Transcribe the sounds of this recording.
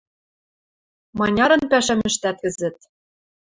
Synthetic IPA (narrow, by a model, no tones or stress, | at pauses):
mɑnʲɑɾɤ̆npæʃæmɘ̆ʃt̪æt̪̚kɘ̆zɘ̆t̪̚